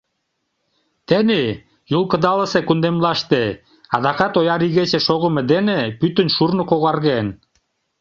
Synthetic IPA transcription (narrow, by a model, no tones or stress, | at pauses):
t̪ene | julˠkɤ̆d̪ɑlə̆sekund̪emlɑʃt̪e | ɑd̪ɑkɑt̪ojɑɾiɣet͡ɕĕʃoɣə̆mĕd̪enepyt̪ə̆nʃurnŏkoɣɑrɣen